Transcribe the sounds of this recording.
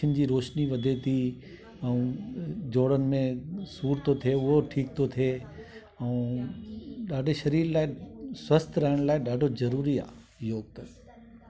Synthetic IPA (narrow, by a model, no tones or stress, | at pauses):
ənɪ̆d͡ʑiːɾoːʃniʋɐd̪ʱet̪ʰi | ɛ̃ũːd͡ʑoːɽənɪ̆mẽsuːɾt̪ʰot̪ʰieʊɦoʈʰiːk̚t̪ʰot̪ʰieː | ɛ̃ | ɗaːɖʱeʃɐɾiːɾlaːɪswɐst̪ʰɾɐɦɪɽ̃laːɪɗaːɖʱozɐɾuːɾia̰ː | joːɡ̚t̪ɐ